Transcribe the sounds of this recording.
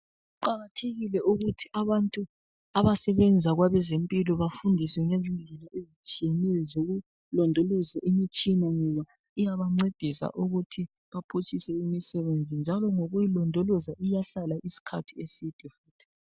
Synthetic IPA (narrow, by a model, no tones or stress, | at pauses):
ɣuǃaɣatʰeɣilɛuɣutʰiʔaβantʼu | aβasɛβɛnd͡zʱaɣwaβɛzempʼilɔβafundʱiswɛŋezind͡ɮʱɛlaʔezit͡ʃʼijenɛjɔzoɣu | lɔndʱɔlɔzaʔimit͡ʃʼinaŋɛβa | ijaβaŋ͡ǃed̥ʱisa̰ʔuɣutʰi | βapʰut͡ʃʼisɛimisɛβend͡zʱind͡ʒʱalɔŋoɣujilɔndʱɔlɔzaʔijaɬalaʔisi̥kʰatʰiesid̥ʱɛfuːtʰi̥